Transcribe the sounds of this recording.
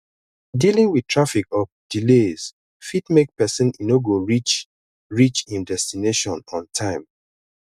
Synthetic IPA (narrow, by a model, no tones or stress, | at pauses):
dilĩŋwitʰɹafikɔfd̥ilez̥ | fitmek̚pɛsĩninoɡoɹit͡ʃ | ɹit͡ʃĩndɛstineʃɔ̃nɔ̃ntʰãɪ̃m